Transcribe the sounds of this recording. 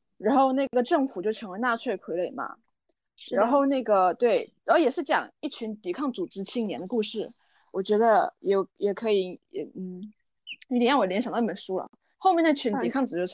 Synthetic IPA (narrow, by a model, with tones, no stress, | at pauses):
ɻa˧˥nxo˥˧ʊna˥˩ɪɡə˩ʈ͡ʂɤ˥˩ŋfu˨˩t͡ɕjo˥˩ʊʈ͡ʂʰɤ˧˥ŋwe˧˥na˥˧t͡sʰwe˥˩ɪkʰwe˧˥ɪle˨˩ɪmɐ̰˩ | ɻa˧˥nxo˥˧ʊna˥˩ɡə˩t̪we˥˩ɪ | ə˧˩jɛ˨˩ʂɻ̩˥˩t͡ɕjɑ̰˨˩ŋi˥˩t͡ɕʰy˧˥nt̪i˨˥kʰɑ˥˩ŋt͡su˨˩ʈ͡ʂɻ̩˥t͡ɕʰi˥˩ŋnjɛ˧˥nd̪ə˧ku˥˧ʂɻ̩˥˩ | wɔ˨˩t͡ɕɥɛ˧˥d̪ə˧jɛ˨˧˩jɛ˨˩kʰɤ˧˥i˨˧˩n̩˥˩˥ | jɑ˥˩ŋwɔ˨˥ljɛ˧˥nɕɑ˨ŋd̪pə˨˩nʂu˥lə̰˨ | xo˥˧mjɛ˥˧n˥˩t͡ɕʰy˧˥ni˧˥kʰɑ˥˩ŋt͡sɹ̩˨˩t͡ɕo˥˩